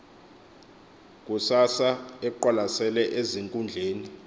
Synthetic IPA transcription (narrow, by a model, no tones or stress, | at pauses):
k̬ʼusasaɛǃwalasɛlɛʔeziŋkʼund͡ɮʱeːni